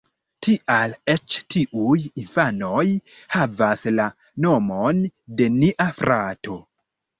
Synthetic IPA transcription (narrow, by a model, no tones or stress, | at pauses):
tʰiʔalet͡ʃtʰiʔujinfano̞j | havasla | no̞mo̞nde̞niʔafɾʔato̞